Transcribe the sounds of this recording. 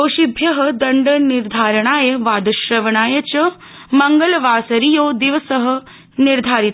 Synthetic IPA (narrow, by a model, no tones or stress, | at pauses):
oːʃibʱjɐɦə̆d̪ɐɳɖəniɾd̪ʱaːɾəɳ̃aːjɐʋaːd̪ɐʃɾɐʋɐɳaːjɐt͡ɕɐ | mɐŋɡəlʋaːsɐɾijoːd̪iʋəsəɦə̆ | niɾd̪ʱaːɾit̪